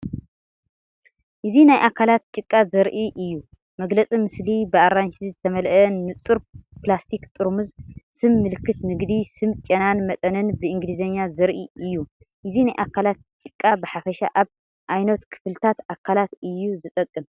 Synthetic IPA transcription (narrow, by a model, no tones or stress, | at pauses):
ʔɨzinajʔakʰalat̪̚t͡ʃʼɨkʼːazɐɾʔiʔɨjːu | mɐɡlɐt͡sʼimɨslibɨaɾːant͡ʃʰizizɨt̪ʰɐmɐlʔɐnɨt͡sʼuɾplast̪ʰikt̪ʼɨɾmɨzsɨmːɨlkʰːɨt̪nɨɡd̪isɨmt͡ʃʼɐnanmɐt̪ʼɐnɨnbɨɨŋɡlizɐɲːazɐɾʔiɨjːu | ʔɨzinajʔakʰːalat̪̚t͡ʃʼɨkʼːabɨħafɐʃa̰ʔaβ | ʔajnɐt̪kʰɨ̥flt̪ʰat̪ʔakʰalat̪ɨjːuzɨt̪ʼɐkʼːɨm